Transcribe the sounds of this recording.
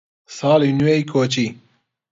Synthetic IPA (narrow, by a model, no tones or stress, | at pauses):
saːlinuejkʰoːt͡ʃi